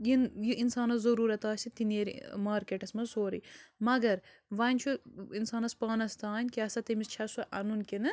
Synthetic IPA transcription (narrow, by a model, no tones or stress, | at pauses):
jinjiʔinsaːnɐszɐɾuːɾɐt̪aːsʲit̪ineːɾḭmaːɾkeʈɐsmɐsoːɾḭmɐɡɐɾ | ʋɐnʲt͡ʃʰuinsaːnɐspaːnɐst̪aːnʲkʲiɐsɐt̪emist͡ʃʰɐsɐʔɐ̰nunkinɨ